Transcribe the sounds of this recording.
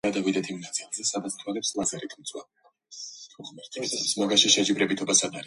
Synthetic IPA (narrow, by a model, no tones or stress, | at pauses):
ad̪avid̪ɛt̪ʰimnat̪sʼilˠzɛsad̪at̪st̪ʰwalɛpslˠazɛɾit̪ʰmt̪sʼwa̰ | smaɡaʃiʃɛd͡ʒibɾɛbit̪ʰɔbasanaɾi